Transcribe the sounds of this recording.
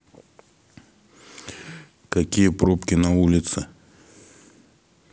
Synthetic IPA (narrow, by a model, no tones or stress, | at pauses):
kakʲijəpɾopkʲɪnaulʲɪt̪sɨ